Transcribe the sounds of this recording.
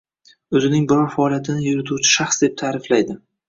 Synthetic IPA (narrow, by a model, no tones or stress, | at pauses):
ɵzɪnɪŋbɪɾɒɾfaɒlˠjat̪ʰɪnɪjʊɾɪt̪ʰut͡ʃʰɪ̥ʃaχsd̪e̞p̚t̪ʰaːɾɪflajd̪ɪ